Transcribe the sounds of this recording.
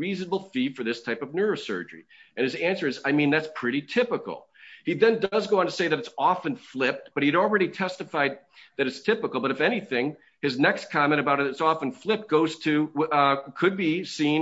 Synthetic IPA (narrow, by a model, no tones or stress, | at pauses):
iznəbl̩ˠfifə˞ðɪstʰaɪpʌvnɜ˞oʊsɜ̰˞d͡ʒə̰˞ḭɨ̃nɨzæ̃nsə˞ɨzaɪmĩnðætspʰɹ̥ɪɾitʰɪpəkl̩ˠ | iðɨ̃ndʌzɡoʊ̃ntʰɨseɪðɨɾɨtsɔfɨ̃nflɪp̚t̚b̥ʌt̚hiɾl̩ˠɹɛɾitʰɛstɨfaɪd̪̚ðɨɾɨtstʰɪpəkl̩ˠbʌɾɨfɛñiθɪ̃ŋ | ɨznɛkskʰɑmɛ̃ɾ̃ɨbaʊɾɨɨtsɔfə̃nflɪp̚t̚ɡ̥oʊz̥tʰɨ | kʰɨd̚bisĩ